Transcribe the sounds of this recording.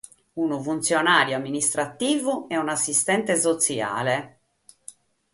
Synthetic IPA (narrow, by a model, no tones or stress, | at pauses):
unofunt̪sjonaːɾjoamːinist̪ɾat̪ːiːvuɛunasːist̪ɛnt̪esot̪sja̰ːle